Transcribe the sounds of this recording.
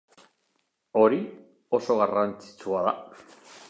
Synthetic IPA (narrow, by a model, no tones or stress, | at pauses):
o̞ɾi | o̞so̞ɣarant͡si̥t͡suað̞a̰